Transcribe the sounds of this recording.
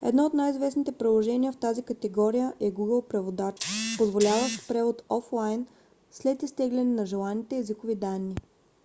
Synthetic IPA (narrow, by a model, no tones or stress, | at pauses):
ɛ̰d̪nɔot̪najizvɛsnit̪ɛpɾilˠoʒɛniəft̪azikət̪ɛɡɔɾijəʔɛɡuɡəlˠpɾɛvod̪at͡ʃpozvolʲavəʃt̪pɾɛvot̪ɔflˠajn | slɛt̪ist̪ɛɡlʲɛnɛnɐʒɛlˠanit̪ɛːzikovid̪anːi